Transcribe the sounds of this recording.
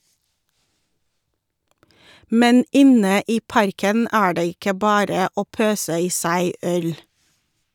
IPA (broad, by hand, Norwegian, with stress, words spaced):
ˈmɛn ˈɪnə ˈiː ˈpɑɾkən ˈæː ˈɖeː ˈɪkə ˈbɑːɾə ˈoː ˈpøːsə ˈiː ˈsæɪ ˈœl